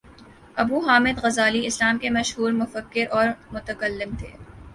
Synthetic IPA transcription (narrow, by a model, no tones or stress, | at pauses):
ɐbuːɦaːmɪd̪ɣɐzaːliɪslaːmkemɐʃɦuːɾmʊfəkːɪɾʔɔːɾmʊt̪əkəlːɪmt̪ʰḛː